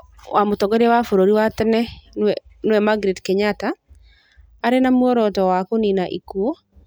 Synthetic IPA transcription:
wamotɔɡoɾawafoɾoɾiwatɛnɛnɛnowɛmaɡɾedkɛɲata | ɾenamwɔɾɔtɔwakoninaʔikuɔ

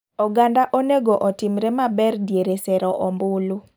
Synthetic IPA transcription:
ɔɡandaʔoneɡoʔɔtimɾemabɛrdjeɾesɛɾɔʔɔmbʊlu

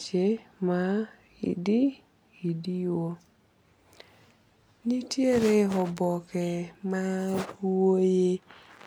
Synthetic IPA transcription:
t͡ʃema | ḭdi | idiwo | nitjeɾeɔbɔkɛmaɾuoje

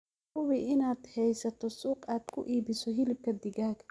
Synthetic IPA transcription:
hʊwiːʔɪnaːd̪hɛjsɐt̪ʰɔsuːqaːd̪̥kʰʊ̰ʔiːbɪsɔɦɪlɪb̚kʰɐd̪ɪɡaːɡ

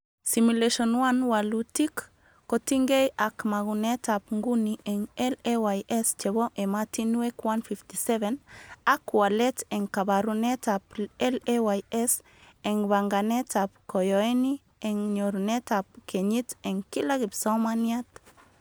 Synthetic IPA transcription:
simuleʃɔnwanwalutikː | otiŋɡejʔakmaɡunetapŋɡunieŋɛlewajʔest͡ʃeβoʔematinuekwanfiftisɛvenakwalet̪eŋkabaɾunetapɛlewajɛs | eŋbaŋɡanetap̚kojoeni | eŋɲoɾunetap̚keɲit̪eŋkilaɡipsamaniat

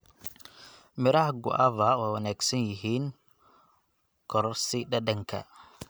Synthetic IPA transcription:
mɪɾɐhɡʊ̰ʔɐvɐwɛwɐnaːɡsɐnjɪɦiːn | kʰɔɾsɪɖɐdɐŋkʰɐ̰

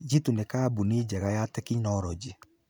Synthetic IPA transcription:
d͡ʒitunekaːbuniːd͡ʒɛɣajatɛkinɔɾɔd͡ʒe

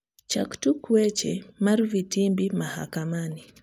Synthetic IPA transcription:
t͡ʃaku̥tukuɛt͡ʃɛmaɾvitimbimaha̰kamani

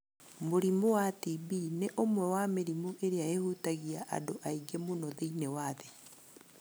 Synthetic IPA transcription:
moɾimowatibineʔomwɛwameɾimoʔeɾeaehutaɣiaʔa̰doʔaiɡemonɔðeinewaðe

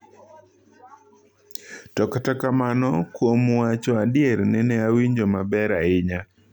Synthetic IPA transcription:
tɔktakamanɔkwomwat͡ʃɔadɪeɾnɛnɛawiɲd͡ʒomabɛɾaɪɲa

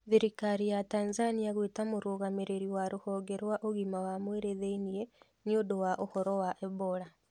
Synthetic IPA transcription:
ðiɾikaɾijataːnzaniaɣwetamoɾoɣameɾeɾiwaɾohɔːɡeɾwaʔoɣimawamweɾeðeinie | niodowaʔohɔɾɔwaʔɛβola

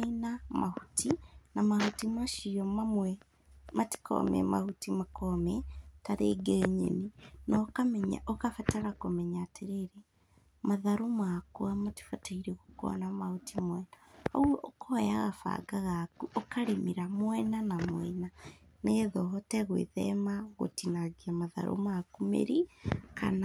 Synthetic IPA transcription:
inamahutinamahutimaʃiɔmamwɛ | mati̥kɔ̰mɛ̰ma̰hutimakomɛtaɾeːɡeɲḛnenɔkamɛɲa̰ʔokafataɾakomɛɲateɾeɾe | maðaɾomakoamati̥fataiɾeɣokɔ̰namahutimwɛnaɔwɔkʰɔjaɣafa̰ɡaɣakuʔɔkaɾemiɾamwɛnanamwɛna | najɛðɔɦɔtɛɣwḛðɛmaɣo̰tinaɣiamaða̰ɾʔo̰makumḛɾika̰na

